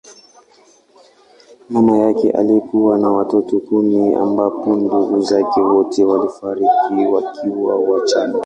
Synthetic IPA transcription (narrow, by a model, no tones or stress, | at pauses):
mɛmajakɛ̰ʔa̰likuwanawatɔtɔkumia̰mbapɔnduɡuzakɛwɔtɛwalifaɾikiwakʰiwawat͡ʃana